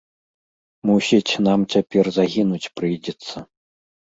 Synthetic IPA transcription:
musʲit͡sʲnamt͡sʲapʲɛrzaɣʲinut͡sʲpɾɨjd͡zʲɛt̪sːɐ

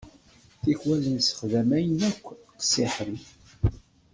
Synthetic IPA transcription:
θiçwælənsə̥χðæmæjənækʷːtsiħɾi

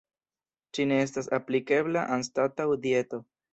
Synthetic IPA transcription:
t͡ʃine̞estasaplike̞blaʔanstatawd̪ie̞to̞

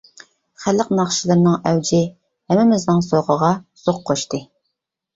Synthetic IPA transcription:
χælːəqnɑχʃilˠɨɾnɨŋɛwd͡ʒɪ | hɛmːɪmɪznɨŋsoʁəʁɑsoqʰːoʃt̪ɨ

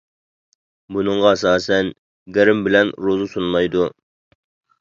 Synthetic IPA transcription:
bunɨɴʁɑɛsɑːsɛn | ɡʲæɾɪmbɪlɛnɾozusunlˠɑjd̪u

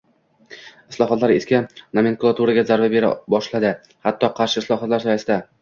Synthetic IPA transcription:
ɪ̥slˠɒχɒt̪laɾeskʲanameŋkulˠat̪uɾaɡʲazaɾvabe̞ɾa̰bɒʃlad̪ɪ | hat̪ʰːɒqʰɑɾʃɪɪslˠɒχɒt̪laɾsɒjasɪd̪a

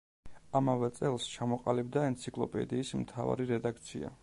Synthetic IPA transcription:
amavɛt̪sʼɛlˠst͡ʃʰamɔqʼalibd̪aɛnt̪sʰikʼlˠɔ̰pʼɛ̰d̪iːsmt̪ʰa̰va̰ɾiɾɛd̪ak̚ʰt̪sʰḭa̰

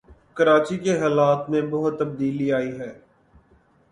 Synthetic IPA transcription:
kəɾaːt͡ʃikeɦaːlaːt̪mẽbəɦʊt̪ːəb̚d̪iːliaːiɦɛː

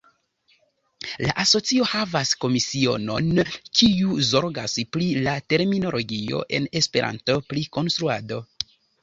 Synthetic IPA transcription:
laʔaso̞t͡sio̞havasko̞misio̞̰no̞̰nkiuzo̞ɾɡaspɾilate̞ɾmino̞lo̞ɡio̞̰ʔe̞̰ne̞spe̞ɾʔa̰nto̞pɾiko̞nst̪ɾuado̞

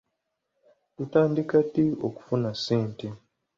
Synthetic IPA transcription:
tutaːndikatio̰ku̥funasiːnti

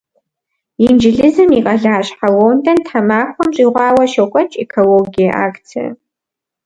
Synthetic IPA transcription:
jind͡ʒɪɮɨzɨmiqʼɐɮaːɕħawoːwndʰɐntħamaːxʷɔmɕʼiːʁʷɑːwɐʃɐkʷʼɐt͡ʃʼekʰoloːɡijɐʔaːkt͡sʰiɐ̰

